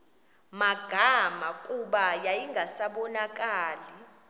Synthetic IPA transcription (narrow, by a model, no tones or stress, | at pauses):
maɡ̥ʱamakʼuɓajajiŋʱasaɓɔnakʼaːli